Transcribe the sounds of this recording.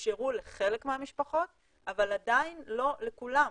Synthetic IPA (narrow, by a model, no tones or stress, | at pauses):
ʃeʁuleχe̞lekmeamiʃpaχo̞t̪̚ | avalad̪ainlo̞le̞kula